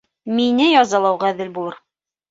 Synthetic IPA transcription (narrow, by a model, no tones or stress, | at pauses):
minɘjɑzɑlˠɑwʁɑðɘlbulˠɤɾ